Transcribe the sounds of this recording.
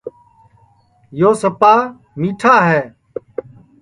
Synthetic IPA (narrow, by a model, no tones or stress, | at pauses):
joːsəpaː | miːʈʰaːɦɛː